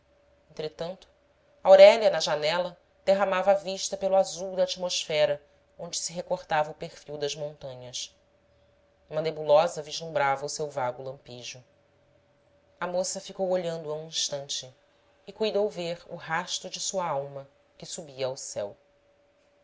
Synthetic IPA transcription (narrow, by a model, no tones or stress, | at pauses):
ẽnt̪ɾet̪ɐ̃nt̪ʊ̥ | ɐawɾɛljɐnɐʒanɛlɐ | d̪̥eɦamavɐːviʃt̪ɐpelʊazuwd̪ɐːt͡ʃimoʃfɛɾɐ | õnd͡ʒɪsɪɦekoɾt̪avɐʊpeɾfiwd̪ɐʒmõnt̪ɐ̃ɲɐs | ũmɐnebulɔzɐviʒlũbɾavɐusewvaɡʊlɐ̃mpiʒʊ | ɐmosɐfikowoʎɐ̃nd̪ʊɐũĩʃt̪ɐ̃nt͡ʃɪː | kujd̪owveɾʊ̰ɦaʃt̪ʊd͡ʒɪsuɐawmɐ | kɪsubiɐːwsɛ̰w